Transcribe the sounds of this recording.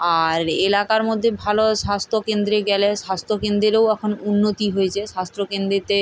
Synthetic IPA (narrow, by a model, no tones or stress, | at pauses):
aɾelakaɾmod̪ʱːebʱaloʃast̪ʰokend̪ɾeɡɛleʃast̪ʰokend̪ɾeɾewɛkʰonunːot̪iɦojet͡ɕʰeʃast̪ɾokend̪ɾit̪e